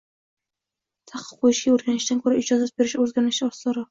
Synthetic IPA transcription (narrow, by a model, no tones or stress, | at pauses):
t̪ʰaχqʰɨ̥qʰːojɪʃɡʲaɵɾɡʲanɪʃt̪ankʰɵɾaʔɪd͡ʒɒzasbeɾɪʃɵzɡʲaɾnɪʃɒslˠɑɾɑ